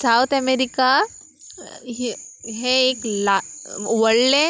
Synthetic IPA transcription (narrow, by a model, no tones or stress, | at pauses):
sawt̪ʰɛmeɾika | ɦɦeeklaʋəɽle